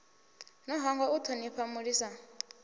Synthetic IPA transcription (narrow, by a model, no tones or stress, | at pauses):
nɔɦɔŋɡɔutʰɔniɸʰamuɺisa